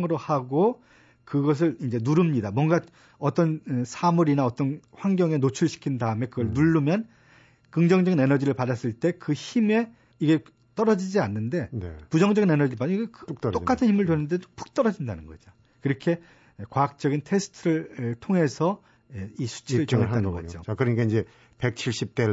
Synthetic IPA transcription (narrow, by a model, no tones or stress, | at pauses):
ŋɯɾohaɡo | kɯɡʌs̬ʰɯɭind͡ʑe̞nuɾɯmɲidamwʌnɡa | ʌt͈ʌnsʰamuɾinaʌt͈ʌnɸwaŋɡjʌŋe̞not͡ɕʰuɭɕʰi̥kʰindaɯme̞kɯɡʌɭnuɭːumjʌn | kɯŋd͡ʑʌŋd͡ʑʌɡine̞nʌd͡ʑiɾɯɭpadas͈ɯɭt͈e̞kɯçime̞ | iɡe̞ | t͈ʌɾʌd͡ʑid͡ʑianːɯnde̞nepud͡ʑʌŋd͡ʑʌɡine̞nʌd͡ʑiɾɯɭpaɡeott͈ok͈atʰɯnçʰimɯɭtwenɯndeopʰu̥k̚t͈ʌɾʌd͡ʑindanɯnɡʌd͡ʑo | kɯɾʌkʰe̞ | kwaɦak̚t͡ɕ͈ʌɡintʰe̞sʰɯ̥tʰɯɾɯɭtʰoŋɦe̞sʰʌ | eisʰu̥t͡ɕʰiɾɯɭt͡ɕŋeatanɯnɡʌd͡ʑokɯɾʌɲik͈aind͡ʑe | pek̚t͡ɕʰiɭɕ͈ip̚t͈e